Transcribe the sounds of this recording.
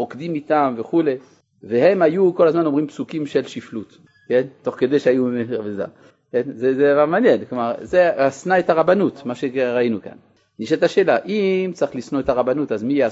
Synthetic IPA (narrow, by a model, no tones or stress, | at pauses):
ʁokd̪imit̪amveχule̞ | vehe̞majukolazmano̞mʁimpsukimʃelʃiflut̪ | kent̪o̞χked̪ejʃeajumeʁabeza̰ | kenzezed̪avaʁmanjenklomaʁzeasnaet̪aʁabanut̪maʃeʁainuka̰nː | iʃet̪aʃeːlaʔimt͡siχlisnoet̪aʁabanut̪azmijea